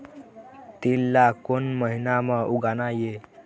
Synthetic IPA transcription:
t̪ilːakonməɦinaməʔuɡanaje

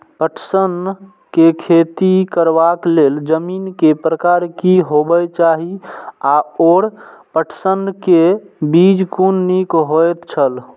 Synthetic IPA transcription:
pəʈʰsən | kekʰet̪ikəɾbakleld͡ʒəminkepɾəkaɾkiɦobət͡ʃaɦiaoɽpəʈʰsənkebid͡ʒkunːikɦojt̪t͡ʃʰəl

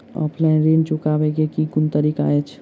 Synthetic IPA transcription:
ɔ̰ːpʰlaɪnɾẽːnt͡ʃʊkabeɡekiɡʊnt̪əɾikaet͡ʃʰ

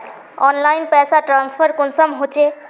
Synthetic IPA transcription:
ɔnlajnpɛsaʈɾanspʰəɾkonsʌmɦot͡ʃʰe

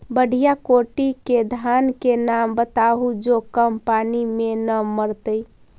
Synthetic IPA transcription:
bəɽ̤ʱijakoʈiked̪ʱankenambət̪aɦud͡ʒokəmpanimenəməɾt̪əj

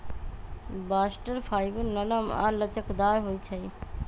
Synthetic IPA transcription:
basʈəɾpʰajbənənəma̰lət͡ʃəkd̪aɾɦojt͡ʃʰəj

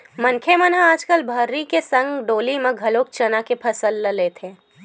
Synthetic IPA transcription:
mɐŋkʰemənaaːd͡ʒkəlbʱəɾːikesɐ̃ŋɡɖoːlimẽɡʱɐloːk̚t͡ʃɐnakepʰɐsəlːəleːt̪ʰẽː

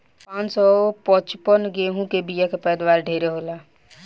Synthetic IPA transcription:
pãnsɔpət͡ʃpənɡeɦũkebijakepɛjd̪waːɾɖʱeɾeɦoːla

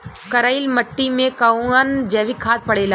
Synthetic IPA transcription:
kɐɾaːilmɐʈːimẽkɐũand͡ʑɐːʋikʰaːt̪̚pɐɽeːlaː

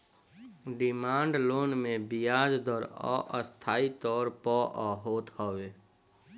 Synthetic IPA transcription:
ɖɪmãːɳɖloːnmẽbijaːd͡ʒd̪ɔɾɔ̰ʔəst̪ʰaːit̪ɔːɾpɔʔɔɦoːt̪hɔʋeː

